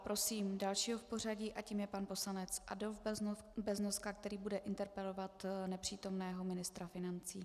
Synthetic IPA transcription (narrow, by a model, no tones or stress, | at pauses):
pɾo̞siːmdalʃiːɦofpo̞r̝aɟiːʔaciːmjɛpanpo̞slanɛt͡sʔa̰dolf | bɛznoskak̚t̪ɛɾiːbudɛʔɪnt̪ɛɾpɛlo̞vat̪nɛpr̝̥iːt̪o̞mnɛːɦo̞mɪnɪst̪ɾafɪnant͡siː